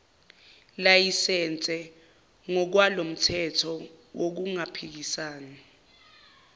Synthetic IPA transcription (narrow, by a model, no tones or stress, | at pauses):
lajisɛnt͡sʼɛ | ŋɔk̬walom̩tʰɛtʰɔwok̬uŋapʰik̬isaːna